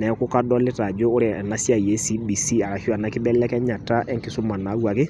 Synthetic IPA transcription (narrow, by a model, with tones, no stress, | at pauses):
nɛ˨ko˦ka˦dɔ˦le˦ta˨d͡ʒoː˦ɾe˨na˦sja˨je˦si˦bi˨si˦a˨ɾa˨ho˦a˨na˨˦ki˦ɓɛ˦lɛ˦kɛ˦ɲa˨ta˦ʔɛ˦ŋke˨su˦ma˨na˨˦ɣwa˨ke˦